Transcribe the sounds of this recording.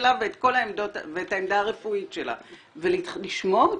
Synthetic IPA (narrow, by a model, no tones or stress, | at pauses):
laveetko̞laemdo̞tveːtaemd̪aːʁe̞fuitʃela̰ | veliliʃmo̞